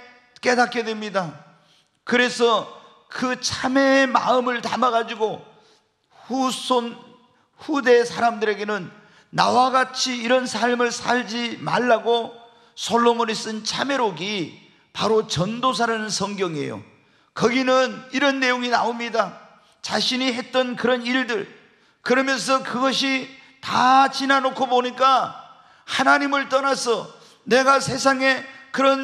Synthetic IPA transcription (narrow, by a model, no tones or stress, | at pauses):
k͈e̞dak͈ʰe̞dwemɲida | kɯɾe̞sʰʌ | kɯt͡ɕʰame̞ma̰ɯmɯɭtamaɡad͡ʑiɡo | huson | ɸude̞sʰaɾamdɯɾe̞ɡe̞nɯnː | awaɡat͡ɕʰiːɾʌnsʰaɭmɯɭsʰaɭd͡ʑima̰ɭːaɡo | sʰoɭːomonis͈ɯnt͡ɕʰame̞ɾoɡi | paɾot͡ɕʌndos̬ʰaɾanɯnsʰʌŋɡjʌŋe̞̰jo̰ | kʌɡinɯniɾʌnːe̞joŋinaomɲida | t͡ɕaɕʰiniɦe̞t̚t͈ʌnkɯɾʌniɭdɯɭ | kɯɾʌmjʌns̬ʰʌkɯɡʌɕ̬ʰi | tat͡ɕinanokʰoboɲik͈a | hanaɲimɯɭt͈ʌnasʰʌ | ne̞ɡasʰe̞s̬ʰaŋe̞kɯɾʌn